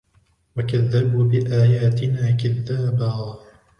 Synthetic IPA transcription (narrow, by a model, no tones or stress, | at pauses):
wakaðːabuːbɪʔaːjaːt̪ɪnaːkaðːaːbaː